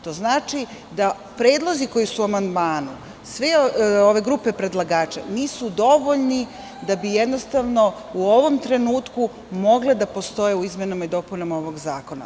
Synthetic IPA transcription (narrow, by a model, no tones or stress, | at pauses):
t̪o̞znaːt͡ʃi | d̪a | pɾeːd̪lˠo̞ziko̞jisuuamand̪maːnu | sʋeoʋe̞ɡɾupe̞pɾe̞d̪lˠaɡaːt͡ʃa̰niːsud̪o̞ʋo̞ʎni | d̪abijed̪no̞st̪aʋno̞ | uo̞ʋo̞mt̪ɾe̞nuːt̪ku | mo̞ɡled̪apo̞st̪o̞jeuizmenomid̪o̞punomo̞ʋo̞ɡzaːko̞na̰